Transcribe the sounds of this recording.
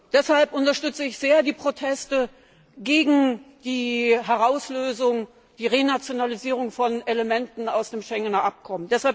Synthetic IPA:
d̥ɛshalpʔʊntɐʃtʏt͡səɪçz̥eːɐdiːpʁ̥otʰɛstə | ɡeːɡŋ̩d̥iːɦɛʁaʊsløːzʊŋ | d̥iːʁeːnat͡sjonaliziːʁ̞ʊŋfɔneləmɛntn̩aʊsd̥eːmʃɛŋənɐʔap̚kʰɔməndɛshalp

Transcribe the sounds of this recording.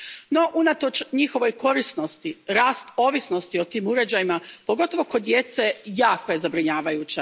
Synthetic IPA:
no̞ʔunat̪o̞t͡ʃɲixo̞ʋo̞jko̞ɾisno̞st̪iɾaːst̪o̞ːʋisno̞st̪io̞t̪iːmuɾe̞d͡ʑajimapo̞ɡo̞t̪o̞ʋo̞ko̞d̪je̞t̪se̞jaːko̞je̞zabɾiɲaːʋajuːt͡ɕa

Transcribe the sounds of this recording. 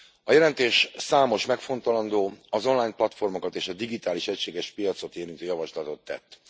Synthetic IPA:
ɒjɛlɛnt̪eːʃsaːmo̞ʃmɛkfo̞nt̪ɒlɒnd̪oːɒzo̞nlaːjnplɒt̪fo̞rmo̞kɒt̪eːʃɒd̪iɡit̪aːliʃɛcʃeːɡɛʃpijɒt̪so̞t̪eːɾynt̪øːjɒvɒʃlɒt̪o̞t̪ːɛ̰t̪ː

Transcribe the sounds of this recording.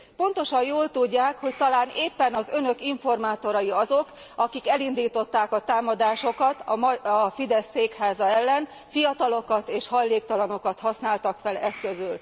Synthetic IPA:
po̞nt̪o̞ʃɒjjoːlt̪uɟːaːkho̞c̚t̪ɒlaːneːpːɛnɒzø̞nø̞kiɱfo̞rmaːt̪o̞ɾɒjiɒzo̞k | ɒkikɛlind̪iːt̪o̞t̪ːaːkɒt̪aːmɒd̪aːʃo̞kɒt̪ɒmɒfid̪ɛsːeːkhaːzɒɛlːɛn | fijɒt̪ɒlo̞kɒt̪eːʃhɒjleːk̚t̪ɒlɒno̞kɒt̪hɒsnaːlt̪ɒkfɛlɛskø̞zyl

